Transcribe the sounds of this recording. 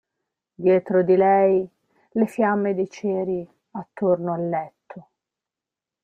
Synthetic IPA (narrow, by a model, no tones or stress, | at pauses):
d̪jɛːt̪ɾod̪ilɛj | lefjamːed̪et͡ʃɛːɾi | at̪ːornoalːɛt̪ʰːo